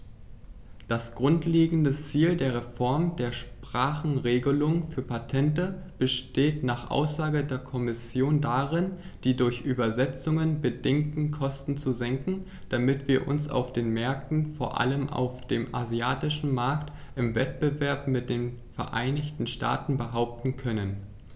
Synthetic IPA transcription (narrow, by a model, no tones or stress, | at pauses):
d̥asɡ̥ʁʊntleːɡŋ̩dət͡siːldeːɐʁ̞efɔɐmdeːɐʃpʁ̥aːχn̩ʁeːɡəlʊŋəfyːɐpʰatʰɛntəb̥əʃteːtnaːχʔa̰ʊsz̥aːɡədeːɐkʰɔmɪsjoːndaʁɪnd̥iːdʊɐçʔyːbɐzɛt͡sʊŋənbədɪŋtn̩kʰɔstn̩t͡suzɛŋkŋ̩ | d̥amɪtv̥iːɐʔʊ̰nsa̰ʊfd̥eːnmɛɐk̚tn̩foːɐʔa̰ləmʔa̰ʊfd̥eːmʔa̰ziaːtɪʃn̩maɐktʔɪmvɛt̚b̥əvɛɐpmɪt̚d̥eːnfɛɐʔa̰ɪnɪçtn̩ʃta̰ːtn̩bəɦaʊp̚tn̩kʰœnən